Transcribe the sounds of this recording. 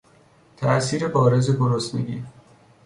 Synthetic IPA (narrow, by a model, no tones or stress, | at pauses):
t̪ʰæʔsiːɾe̞bɒːɾe̞ze̞boɾosneɡiː